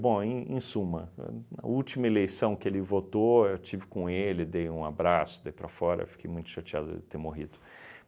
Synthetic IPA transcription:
bõẽḛ̃sũmɐnɐ̰ut͡ʃimɐelejsɐ̃w̃kɪelɪvot̪oewt͡ʃivɪkõelɪd̪ejũa̰bɾasʊ̥d̪eijpɾɐfɔɾɐ̰ḛwfi̥kʰejmũj̃t̪ʊ̥ʃat͡ʃia̰d̪ʊ̰ɪ̰t̪eɾmoɦid̪ʊ

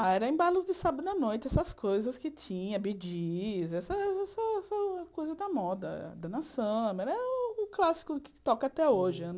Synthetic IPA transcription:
aɛɾɐẽj̃balʊzd͡ʒɪsabɐd̪ʊɐnojt͡ʃɪɛsɐskojzɐskɪt͡ʃĩɲɐbid͡ʒizɛsɐɛɛsɐɛsɐkojzɐd̪ɐmɔd̪ɐ̰d̪ɐnɐsɐ̃mɛɾɐɛʊʊklasɪ̥kʊkɪ̥t̪ɔkɐat̪ɛoʒɪɐ̃n

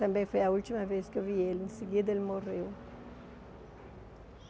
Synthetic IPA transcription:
t̪ɐ̃mbẽj̃fojɐult̪imɐveskewvielẽsɪɡid̪ɐelmoʁew

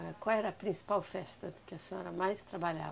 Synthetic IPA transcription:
ɛkwawɛɾɐːpɾĩsi̥pawfɛst̪ɐd̪ɪkɪɐseɲɔɾɐmajst̪ɾabaʎa̰

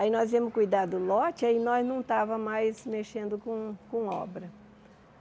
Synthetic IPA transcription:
ainɔziɐ̃mʊskujd̪ad̪ʊlɔt͡ʃɪainɔznɐ̃w̃t̪avɐmajsmeʃẽnd̪ʊkõkõɔbɾɐ

